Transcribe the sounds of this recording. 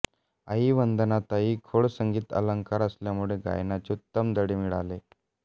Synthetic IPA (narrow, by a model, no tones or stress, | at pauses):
aɦiːʋənd̪ənat̪aɦiːkʰoɽsəŋɡiːt̪ə̰ləŋkaɾəsljamuɭeɡa̰jnat͡ɕeut̪ːəmd̪əɽiːmiɭa̰le